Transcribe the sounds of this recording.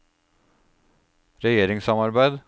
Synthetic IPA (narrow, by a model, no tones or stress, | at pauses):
ɾɛjeːɾɪŋsɑmɑɾbæɪd̪